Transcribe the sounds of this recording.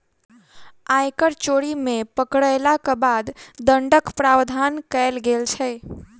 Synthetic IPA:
ajkəɾt͡ʃoɽimepəkɽəjlakəbad̪d̪əɳɖəkpɾawd̪ʱankəjlɡelt͡ʃʰə

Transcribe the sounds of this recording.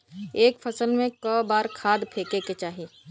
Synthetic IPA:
eːkfʰɐsəlmẽkɔːbaːɾkʰaːd̪pʰeːkeket͡ʃaːɦiː

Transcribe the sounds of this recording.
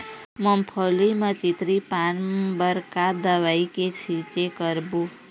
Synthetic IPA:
məmpʰolimə̃t͡ʃit̪ɾipanbəɾkad̪əʋaiket͡ʃʰit͡ʃekəɾbũ

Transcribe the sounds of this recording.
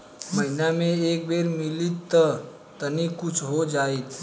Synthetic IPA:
məinameek̚bʱeɾmiliːt̪ːə | t̪ənikut͡sʰɦod͡ʒait̪

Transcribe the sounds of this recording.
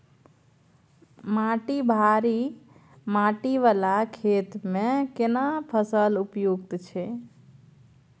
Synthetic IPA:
mãʈibʱaɾi | maʈiʋalakʰet̪mẽkenapʰəsəlupjuɡt̪t͡ʃʰe

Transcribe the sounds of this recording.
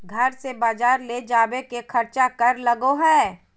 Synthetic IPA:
ɡʱɐɾsebaːd͡ʒaːɾleːd͡ʒaːbekekʰɐɾt͡ʃakɐɾlɐɡoɦɛː

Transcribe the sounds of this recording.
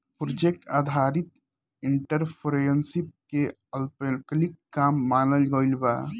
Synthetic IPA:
pɾod͡ʒek̚ʈaːd̪ʱaɾit̪ | iɳʈəɾpʰɾejənsip̚ke | əlpəlkəlikːaːmːaːnəlɡəilbaː

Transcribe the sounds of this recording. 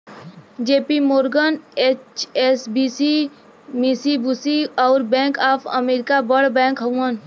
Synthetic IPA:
d͡ʒeːpimoːɾɡəneːt͡ʃesbisi | misibusiɔːɾbɛ̃ːŋkaːpʰə̰meːɾɪkabəɽbɛ̃ːŋkɦɐũən

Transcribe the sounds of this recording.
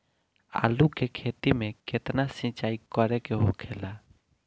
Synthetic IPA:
a̰ːlukekʰet̪imẽket̪nasĩt͡ʃaːikəɾekeɦokʰela

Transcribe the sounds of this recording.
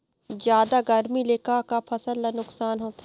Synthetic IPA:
zjaːd̪aɡɐɾmileːkakapʰɐsəlːanʊksaːnɦoːt̪a

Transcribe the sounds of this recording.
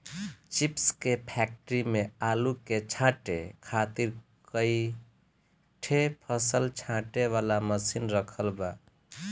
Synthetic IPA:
t͡ʃipskepʰɛk̚ʈəɾimealuket͡ʃʰãʈekʰat̪iɾkəi | ʈʰepʰəsəlt͡ʃʰãʈeʋalaməsinɾəkʰəlba

